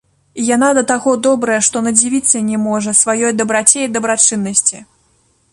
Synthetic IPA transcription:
ijanad̪ɐt̪aɣɔd̪ɔbɾɐjɛʂt̪ɔnɐd͡zʲivʲit̪sːɐnʲɛmɔʐɐsvajɔjd̪ɐbɾat͡sʲejd̪ɐbɾat͡ʂɨnːɐsʲt͡sʲi

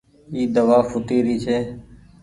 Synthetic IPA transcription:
iːd̪əʋaːfʊt̪iːɾiːt͡ʃʰeː

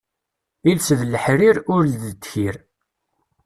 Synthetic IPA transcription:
ilsðləħɾiɾʊɾlðəd̪çiɾ

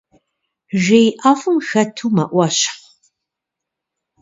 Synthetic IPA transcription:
ʒejʔaːfɨmxɐtʰuːmɐ̰ʔʷɐɕɪ̥χ

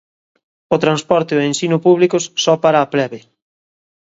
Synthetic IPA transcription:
ʊt̪ɾanspɔɾt̪eoensinʊpuβ̞likʊssɔpaɾaːplɛβe

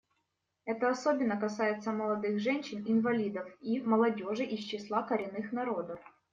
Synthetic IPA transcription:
ɛt̪əɐso̞bʲɪnːəkɐsajɪt̪səməlˠɐd̪ɨxʐɛnʲɕːɪnɪnvɐlʲid̪əfiməlˠɐdʲo̞ʐɨʔist͡ɕːɪslˠakəɾʲɪnːɨxnɐɾod̪əf

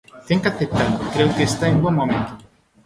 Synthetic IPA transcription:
t̪eŋkaθep̚t̪aðokɾeʊkeːst̪aemboŋmõmẽnt̪o

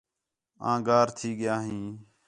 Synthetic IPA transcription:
ã̰ːɡaːɾt̪ʰiːɡɪjaːɦĩː

